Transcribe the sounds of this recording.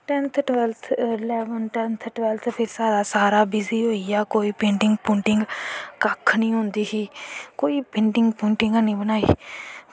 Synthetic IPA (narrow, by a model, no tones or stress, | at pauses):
ʈɛ̃nt̪ʰʈʋɛlt̪ʰlɛːʋənʈɛ̃ːnt̪ʰʈʋɛlt̪ʰpʰɪɾsaːdaːsaːɾaːbɪziːɦoːijaːkoːiːpẽːɳɖɪŋɡpũːɳʈɪŋɡkəkʰnĩːɦʊ̃ːnd̪iːɦiːkoːiːpɪ̃ːɳɖɪŋɡpũːɳʈɪ̃ŋɡaːnĩːbənaːḭː